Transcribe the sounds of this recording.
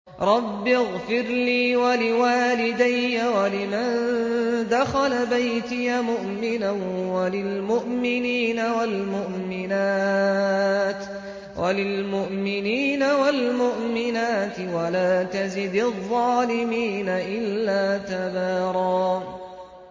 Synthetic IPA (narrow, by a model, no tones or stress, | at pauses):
ɾˤɑbːɪɣfɪɾliːwalɪwaːlɪd̪ajːawalɪmand̪axalabajt̪ɪjamʊʔmɪnawalɪlmʊʔmɪniːnawalmʊʔmɪnaː | t̪ | wʔalɪlmʊʔmɪniːnawalmʊʔmɪnaːt̪ɪwalaːt̪azɪd̪ðˤːɑːlɪmiːnaʔɪlːaːt̪abaːɾˤɑː